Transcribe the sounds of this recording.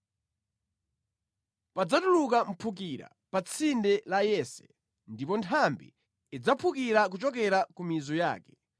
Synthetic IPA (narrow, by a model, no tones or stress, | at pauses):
pad͡zatulukam̩pʰuk̬iɾa̰ | pat͡sʰindɛlajɛsɛ̥̰ | ndipɔntʰambḭː | d͡zapʰukiɾak̬ut͡ʃɔk̬ɛɾakumizɔja̰ːkɛ̥